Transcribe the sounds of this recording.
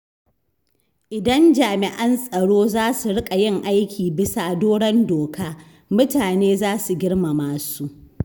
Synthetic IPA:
ʔɪ˨dɐ˦nd͡ʒaː˨mɪ˨ʔɐ˦nsʼɐ˨ɽoː˦zaː˦su˨ɽɪ˦kʼa˨jɪ˦ŋʔa˦jkʲʰiː˨bɪ˦sa˨doː˦ɽɐ˦ndoː˨kaː˦ | mʊ˦taː˨neː˦zaː˦su˨ɡʲɪ˦ɽma˨maː˦su˦ʔ

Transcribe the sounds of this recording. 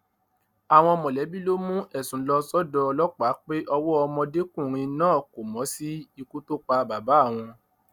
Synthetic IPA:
a˨w̃ɔ̃˧ɔ˧mɔ̃˨lɛ˨˦bi˦lo˦mũ˦ʔɛ˦˨sũ˨˦lɔ˧sɔ˦dɔ˧lɔ˦k͡pa˨˦k͡pe˦ʔɔ˧wɔ˦ɔ˧mɔ̃˧de˦kũ˦˨ɾ̃ĩ˧˦nãː˦˨ko˨mɔ̃˨˦si˦i˧ku˦to˦k͡pa˧ba˨ba˨˦˨w̃ɔ̃˧

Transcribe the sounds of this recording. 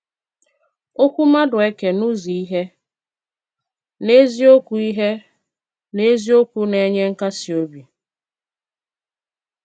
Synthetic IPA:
o˦kʷu˦ma˦dʊ˨e˦ke˨nu˦zi˨i˦ɦe˦ | ne˦zi˦o˦kʷu˨i˦ɦe˦ | ne˦zi˦o˦kʷu˦ne˦ɲe˦ŋ̩˦ka˦si˨o˦bi˨

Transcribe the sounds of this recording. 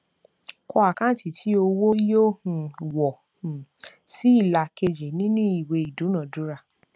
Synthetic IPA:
kɔ˧˦a˨kã˦ti˨tʰi˨˦o˧wo˦jo˦hũ˨wɔ˨ | hũ˨ti˦i˦˨la˧ke˧d͡ʒe˨nĩ˦nũ˦i˨we˧i˨dũ˨˦nã˨dũ˨˦ɾa˧

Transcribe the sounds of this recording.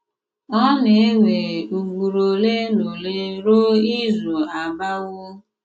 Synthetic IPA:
ɔ˦ne˨e˦ŋe˨u˨ɡu˨ɾo˨le˦no˨le˦ɾo˦i˦zu˨a˨ba˦wʊ˦

